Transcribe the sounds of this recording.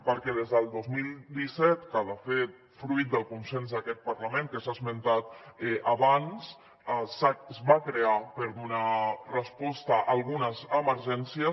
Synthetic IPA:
pəɾkɛð̞ezðəlˠd̪ozmilˠd̪isɛt̪kaðəfet̪̚ | fɾuit̪̚d̪əlˠkunsenzðəkɛt̪̚pəɾləmẽŋkəsazmənt̪at̪ɛʔəβans | sazβakɾeapəɾðunərəspɔst̪əʔalˠɣunəzəməɾʒɛnsjiə

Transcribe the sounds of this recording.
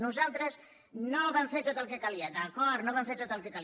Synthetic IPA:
nuzalˠt̪ɾəz | noβaɱfeɾt̪ot̪əlˠkekaliəd̪əkɔt̪noβaɱfeɾt̪ot̪əlˠkekal

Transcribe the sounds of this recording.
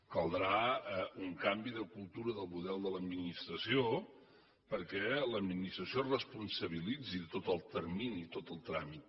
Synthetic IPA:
kəlˠd̪ɾauŋkambiðəkulˠt̪uɾəðəlˠmuðɛlˠd̪ələd̪minist̪ɾəsio | pəɾkɛləd̪minist̪ɾəsiorəspunsəβ̞ilid͡zit̪ot̪əlˠt̪ərminit̪ot̪əlˠt̪ɾamit̪̚

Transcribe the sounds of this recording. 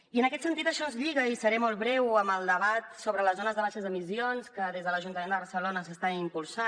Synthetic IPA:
iənəkɛt̪sənt̪it̪əʃɔzʎiɣəisəɾɛmɔlˠt̪βɾɛwəməlˠd̪əβat̪soβɾələzonəzðəβaʃəzðəmisionskəðezðələʒunt̪əmend̪əβəɾsəlonəsəst̪aimpulˠsa

